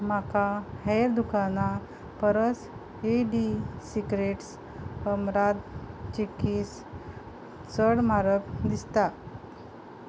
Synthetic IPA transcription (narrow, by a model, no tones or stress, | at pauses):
makahejɾd̪ukana | pəɾəs | eɖisikɾeʈs | həmɾad̪t͡ɕikis | t͡səɽmaɾəpd̪ist̪a